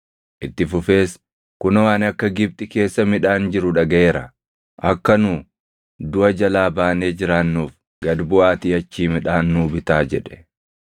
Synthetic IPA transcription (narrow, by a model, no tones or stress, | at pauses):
ʔɪt̪ːɪfʊfe̞ːs | kʊnɐwaːnɐkːɐɡɪb̚t̪ʼɪke̞ːsːɐmɪᶑaːnd͡ʒɪɾʊᶑɐɡɐe̞ːɾɐ̰ | ʔɐkːɐnuː | d̪ʊʔɐd͡ʒɐlaːbaːne̞ːd͡ʒɪɾaːnːuːf | ɡɐd̪bʊaːt̪iːɐt͡ʃːiːmɪᶑaːnːuːbɪt̪aːd͡ʒɛᶑɛ̥